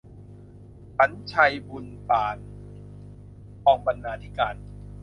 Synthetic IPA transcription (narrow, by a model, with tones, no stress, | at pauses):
pa˨˦nt͡ɕʰa˧jbu˧npaː˨˩n | ʔɔː˧ŋba˧nːaː˧t̪ʰi˦˥kaː˧n